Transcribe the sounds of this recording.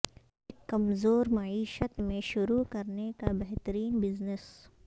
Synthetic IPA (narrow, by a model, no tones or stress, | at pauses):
ɪkːɐmzoːɾmɐiːʃət̪mẽʃʊɾukɐɾnekabɛɦt̪əɾiːnbɪznɪs